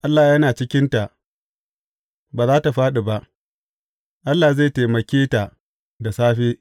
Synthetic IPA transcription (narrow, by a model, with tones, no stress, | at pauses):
ʔa˦lːaː˨jɐ˦naː˨t͡ʃɪ˦kʲɪ˦nta˨ʔ | baː˨zaː˦ta˨ɸaː˦ɗe˨ba˦ʔ | ʔa˦lːaː˨ze˦˨teː˨mɐ˨kʲeː˦ta˨ | da˨saː˦ɸeː˦